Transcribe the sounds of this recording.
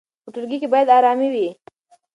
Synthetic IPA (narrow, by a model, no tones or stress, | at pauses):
pəʈʊɾɡikebɑjad̪ɑɾɑmiwi